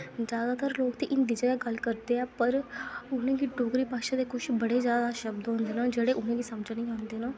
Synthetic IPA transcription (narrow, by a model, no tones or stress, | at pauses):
d͡ʒjaːd̪aːt̪əɾloːkt̪iːʔɪnd̪iːd͡ʒəɡɛːɡəlkəɾd̪eːãːpəɾʊnãːɡiːʈoːkɾiːpaːʃãːd̪eːkʊʃʰbəɽeːzjaːd̪aːʃəb̚d̪ɦõːnd̪eːnãːd͡ʒeːɽeːʔʊnãːɡiːsəmd͡ʒnĩːɦãːnd̪eːnãː